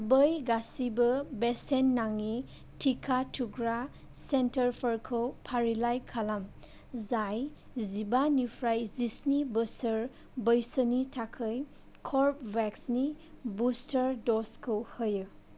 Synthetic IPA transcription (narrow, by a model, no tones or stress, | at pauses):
bəjɡasibɯbesenːaŋi | tʰikʰatʰuɡɾa | sentʰəɾpʰəɾkʰɯwpʰaɾilajkʰalam | zaj | zibanipʰɾajzisnibəsəɾ | bəjsənitʰakʰɯj | kʰɔɾpbɛksni | bustəɾdɔskʰɯwhɯjɯ